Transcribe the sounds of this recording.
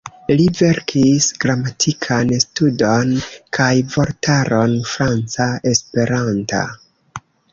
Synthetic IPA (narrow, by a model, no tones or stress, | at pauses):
live̞ɾkʰisɡɾamatʰikʰanstudo̞nkʰajvo̞ɾtaɾo̞nfɾant͡sae̞spe̞ɾanta̰